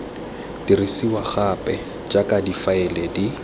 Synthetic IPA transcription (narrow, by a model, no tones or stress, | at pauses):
d̥irisiwaχapʼɛ | d͡ʒakʼadifaɛlɛdi